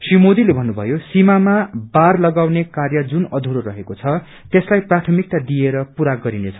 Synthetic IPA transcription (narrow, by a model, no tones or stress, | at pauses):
srimod̪ilebʱʌnːubʱʌ̰josimamabarlʌɡawnekarjʌd͡zunʌd̪ʱuɾoɾʌɦekot͡sʰʌ | t̪eslajprat̪ʰʌmik̚t̪ad̪ijeɾʌpuɾaɡʌɾinet͡sʰʌ̥